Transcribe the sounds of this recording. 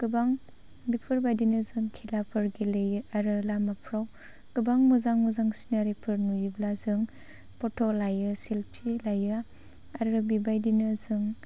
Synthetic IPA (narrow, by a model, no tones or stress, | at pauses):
kɯbaŋ | bipʰɯɾbajdinɯzɯŋkʰilapʰɯɾɡilejɯaɾɯlamapʰɾaw | kɯbaŋmuzaŋmuzaŋsi̥naɾipʰɯɾnujublazɯŋ | pɔtʰɔlajɯsilpʰilajɯ | aɾɯbibajdinɯzɯŋ